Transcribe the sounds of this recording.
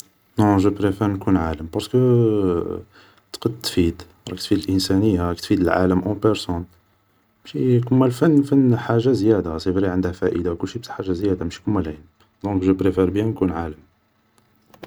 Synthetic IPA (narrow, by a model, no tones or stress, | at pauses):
nɔ̃ʒəpɾefɛɾnkunʕaləmpɑɾsə̥kə | t̪qəd̪t̪fid̪ | ɾˤɑk̚t̪fid̪əlʔənsænəjːaɾɑkt̪fid̪əlʕa̰ləmʔɑ̃pəɾsɔn | mæʃikʊmːælfænːfənːħaʒːazjæd̪asifɾiʕənd̪hæfæʔəd̪akʊlːʃibsħaʒːazjæd̪amæʃi̥kʊmːælʕin | d̪ɔ̃kʒəpɾefɛɾbjæ̃nkunʕaləm